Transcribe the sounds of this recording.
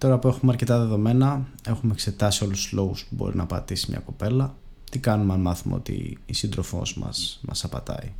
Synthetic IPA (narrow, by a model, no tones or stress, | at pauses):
t̪o̞ɾɐpue̞xumeɐɾce̞t̪ɐðe̞ðo̞me̞nɐ | e̞xumekse̞t̪ɐsio̞lust̪u̥z̥lo̞ɣuspubo̞̰ɾḭnɐpɐt̪isimɲɐ̰ko̞pe̞lɐ | t̪ikɐnumeɐnmɐθumḛo̞̰t̪ḭisind̪ɾo̞fo̞̰zmɐ̰smɐsɐpɐt̪ɐ̰i